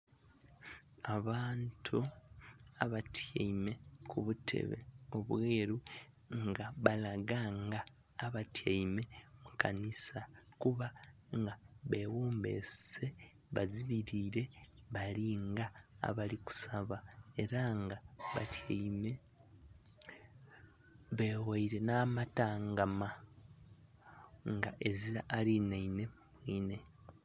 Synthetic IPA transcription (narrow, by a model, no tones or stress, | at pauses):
aβaːntʰu | aβatʰjaime̞kʰuβutʰe̞̰βe̞̰o̞βwwe̞ːɾu | ŋɡaβalaɡaːŋɡaː | βatjajme̞mukanisakuβa | ŋɡaβe̞woːmbe̞̰se̞ | βa̰ziβiɾiːɾe̞βaliŋɡa̰ːβaliku̥saβae̞ɾaŋɡaβa̰tjaime | βeːwaiɾe̞namataːŋɡama | ŋɡaʔe̞ziɾaʔalinaine̞ | mwiːne̞